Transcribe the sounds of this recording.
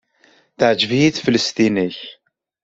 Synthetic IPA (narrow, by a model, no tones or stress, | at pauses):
θəʕd͡ʒvijiθfələst̪iniç